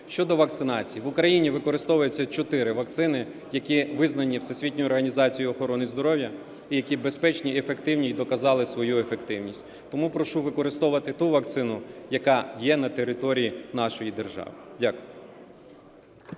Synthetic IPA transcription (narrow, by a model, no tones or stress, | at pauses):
ʃt͡ʃɔd̪ɔʋɐk̚t̪sɪnɑt͡sʲijiʋʊkɾɐjinʲiʋɪkɔɾɪst̪ɔʋɐjʊt͡sʲːɐt͡ʃɔt̪ɪɾɪʋɐkt̪sɪnɪ | jɐkʲiʋɪznɐnʲiwsesʲʋʲitʲnʲɔjʊɔrɦɐnʲizɑt͡sʲijʊɔxɔɾɔnɪzd̪ɔɾɔwjɐ | ijɐkʲibe̞spɛt͡ʃnʲiefe̞kt̪ɪwnʲid̪ɔkɐzɑlˠɪsʋɔjuefekt̪ɪwnʲisʲtʲ | t̪ɔmupɾɔʃuʋɪkɔɾɪst̪ɔʋʋɐt̪ɪt̪uʋɐk̚t̪sɪnʊjɐkɑjɛnɐt̪eɾɪt̪ɔɾʲijinɑʃɔjid̪erʒɑ̰ʋɪdʲakʊjʊ